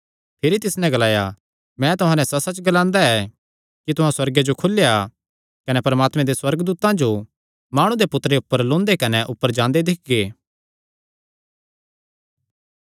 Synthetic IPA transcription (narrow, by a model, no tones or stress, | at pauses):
pʰeɾit̪ɪsnɛ̃ɡɐlaːja̰ | mɛ̃t̪ʊɦãːnɛ̃sɐsɐt͡ʃɡɐlãːnd̪aɛ | kit̪ʊɦãswɐɾɡed͡ʒokʰʊlːeja | kɐnɛpɐɾmaːt̪mɛ̃d̪eswɐɾɡd̪uːt̪ãd͡ʒo | maːɽ̃ũd̪epʊt̪ːɾeʊpːəɾlõːnd̪ekɐnɛʔʊpːəɾd͡ʒãːnd̪ed̪ɪkʰɡeː